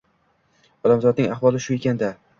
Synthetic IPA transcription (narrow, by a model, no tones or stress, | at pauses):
ɒlamzɒd̪̚nɪŋaχwɒlˠɪʃʊe̞kʲʰand̪a